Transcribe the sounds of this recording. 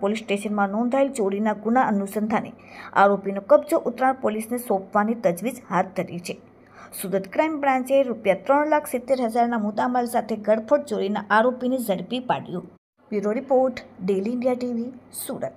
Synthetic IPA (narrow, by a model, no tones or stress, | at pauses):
polisʈeʃənmãnɔ̃nd̪ʱaelt͡ʃoɽinaɡunaʔənusənd̪ʱanḛa̰ɾopinokəbd͡ʒoʔʊt̪ɾaɳpolisnesɔ̃pʰʋanit̪əd͡ʒʋid͡ʒhat̪̚d̪ʱəɾit͡ʃʰe | suɾət̪kɾajmbɾãɲt͡ʃeɾupjat̪ɾəɳlakʰsɪt̪ːeɾɦəd͡ʒaɾnamut̪aməlsat̪ʰeɡʱəɽpʰəɽt͡ʃoɽinaʔaɾopinizəɽpipa̰ɽjũ | ʋuɾoɾipoɾʈɖeliɪɳɖijaʈiʋisuɾə̰t̪̚